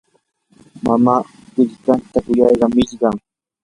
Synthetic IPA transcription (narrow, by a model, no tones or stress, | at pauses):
mamaː | ɢɪʎkant̪akʊjɑjɢɑmɪʎɢɑŋ